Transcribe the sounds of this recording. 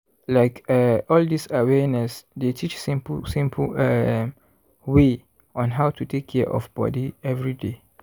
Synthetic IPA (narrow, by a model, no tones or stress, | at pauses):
laɪkɛɔldisawɛnɛsdetʰit͡ʃsĩmpsĩmpʰɛ | we | ʔɔ̃nɦaʊtʰutʰekʰːɛʔɔ̰fbɔ̰diɛvɹide